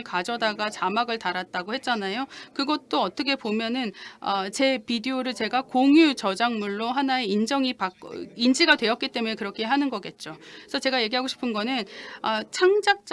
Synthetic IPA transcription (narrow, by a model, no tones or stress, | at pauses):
ɭkad͡ʑʌdaɡat͡ɕamaɡɯɭtaɾat̚t͈aɡohe̞t̚t͡ɕ͈anajokɯɡʌt͈oʌt͈ʌkʰe̞pomjʌnɯnʌt͡ɕe̞pideoɾɯɭt͡ɕe̞ɡakoŋjut͡ɕʌd͡ʑaŋmuɭːoɦanae̞ind͡ʑʌŋipaind͡ʑiɡadwe̞jʌt̚k͈it͈e̞munekɯɾʌkʰe̞ɦanɯnɡʌk͈e̞t̚t͡ɕ͈oe̥sʰʌt͡ɕe̞ɡaje̞ɡiɦaɡoɕʰi̥pʰɯnɡʌnɯnat͡ɕʰaŋd͡ʑak̚t͡ɕ͈